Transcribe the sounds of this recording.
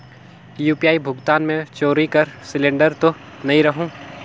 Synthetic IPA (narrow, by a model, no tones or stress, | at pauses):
juːpijaːibʱʊɡt̪aːnmẽt͡ʃoːɾikɐɾsɪlẽːɳɖəɾt̪o | nɐɦĩɾɐɦũː